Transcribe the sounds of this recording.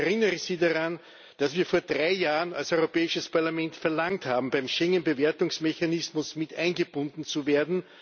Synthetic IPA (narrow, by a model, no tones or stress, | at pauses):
ʁɪnəʁəz̥iːdaʁan | d̥asv̥iːɐfoːɐd̥ʁaɪjaːʁəna̰lsɔʏʁopɛːɪʃəspʰaɐlamɛ̃ntfɛɐlaŋthaːbm̩bæɪmʃɛŋənbeveːɐtʊŋsmeçanɪsmʊsmɪtʔæɪnɡəb̥ʊndn̩t͡suveːɐdn̩